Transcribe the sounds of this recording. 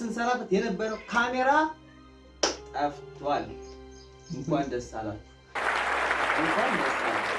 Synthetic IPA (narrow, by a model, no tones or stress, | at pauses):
sɨnsɐɾaft̪jɛnəbːəɾəwkʰameɾa | t̪ʼɐft̪ʰwal | ɨŋkʷand̪ɐstːa̰la̰t | ʔɨŋkʷand̪əst̪a̰la̰